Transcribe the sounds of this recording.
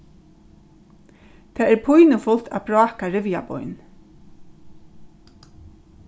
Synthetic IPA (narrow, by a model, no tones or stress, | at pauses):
t̪ʰɛːɛɾpʰʊjnʊfʊlt̪abɾɔːkaɾɪʋja̰bɔ̰jn